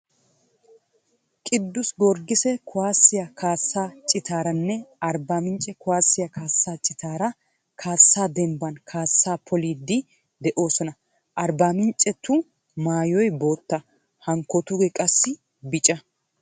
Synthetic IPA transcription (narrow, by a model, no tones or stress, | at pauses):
kʼɪd̪ːʊsɡɔɾɡɪsɛkʊwaːsːɪjɐkʰaːsːaːt͡ʃʼɪt̪ʰaːɾɐnːɛɐɾbaːmɪnt͡ʃʼɛkʊwaːsːɪjɐkaːsːaːt͡ʃʼɪt̪aːɾɐ | kʰaːsːaːd̪ɛmbɐnkʰaːsːaːpʰɔliːd̪ːɪ | d̪ɛʔo̞ːsɔnɐ | ʔɐɾbaːmɪnt͡ʃʼɛt̪ːʊ | maːjɔjbo̞ːt̪ːɐ | hɐŋkːɔt̪ʊɡɛkʼɐsːɪ | bɪt͡ʃʼɐ